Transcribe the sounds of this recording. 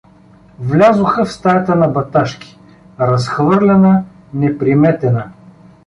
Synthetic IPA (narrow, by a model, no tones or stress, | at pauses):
vlʲazʊxəfst̪ajət̪ənɐbɐt̪aʃkʲi̥ | ɾɐsxvɤɾlʲɛnə | nɛpɾimɛt̪ɛnə